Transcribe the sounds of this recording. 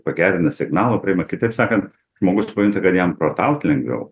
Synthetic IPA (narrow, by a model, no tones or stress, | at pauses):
pɐɡʲæːɾʲɪnt̪ɐsʲɪɡnɑːlˠoːpʲɾʲɪɪmɐkʲɪt̪ɐɪpsɑːkɐnt̪ | ʒ̥moːɡʊspɐjʲɪnt̪ɐkɐt̪jɛmpɾoːt̪ɐʊt̪ʲlʲɛŋɡʋʲɛ̰ʊ